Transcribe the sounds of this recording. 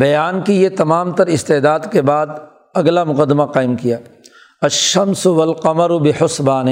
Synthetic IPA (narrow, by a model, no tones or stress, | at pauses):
bɐjaːnkijet̪ɐmaːmt̪ɐɾɪst̪eːd̪aːd̪kebaːd̪ | ɐɡlamʊqəd̪ːmaqaːɪmkijaː | ɐʃɐmsʊʋɐlqɐmɐɾʊbɪħʊsbaːnɪ